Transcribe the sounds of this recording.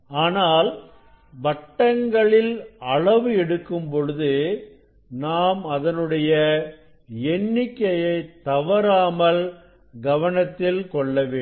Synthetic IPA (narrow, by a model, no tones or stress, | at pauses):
aːnaːl | ʋɐʈːɐŋɡɐɭɪlɐɭɐʋɯɛɽɯkːɯmpɔɻɯðɯ | naːmɐðɐnɯɽɐjɐ | ɛnːɪkːɐjɐɪt̪ːɐʋɐɾaːmɐl | ɡɐʋɐnɐt̪ːɪlkɔɭːɐʋeː